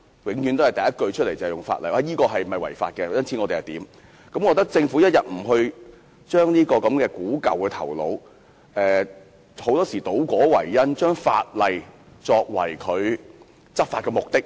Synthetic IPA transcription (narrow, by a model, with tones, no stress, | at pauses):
wɪ˨˥ŋjy˨˥nt̪o˥hɐ˨˩jt̪ɐ˨˩jɐ˥t̚kɵ˧ɥt͡ʃʰɵ˥t̚le˨˩t͡shjʊ˨˩ŋfa̰ː˧tlɐ˨jʔa˧jiː˥kɔː˧ɦɐ˨jm̩˨˩˨ɐ˨jwɐ̰˨˩jfa̰ː˧t̚kɛ˧jɐ˥nt͡sʰiː˨˥ŋɔː˨˧t̪e˨˩hɐ˨˩jt̪iː˨˥m | kɐ˨˥mkɔː˨˧t̪̬k̚t͡sɪ˧ŋfu˨˥jɐ˥t̚jɐ˨t̚m̩˨˩ɦɵ˧ɥ | t͡ʃœː˥ŋniː˥kɔː˧kɐ˨˥mkɛː˧kuː˨˥kɐ̰˨wkɛː˧t̪ʰɐ̰˨˩wlo̰˨˧˥w | ɛː˨˩ | ho˨˥wt̪ɔː˥siː˨˩t̪o˨˥wkʷɔː˨˥wɐ̰˨˩jjɐ˥nt͡ʃœː˥ŋfa̰ː˧t̚lɐ˨j | t͡sɔː˧k̚wɐ̰˨˩jkʰɵ˨˧ɥ | t͡sɐ˥p̚faː˧t̚kɔː˧mʊ˨k̚t̪ɪ˥k̚